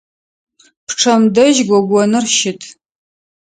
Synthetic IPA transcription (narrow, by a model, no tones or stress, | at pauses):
pʰʈ͡ʂʰɐmdɐʒɡʷɔɡʷɔnɨrʃɪtʰ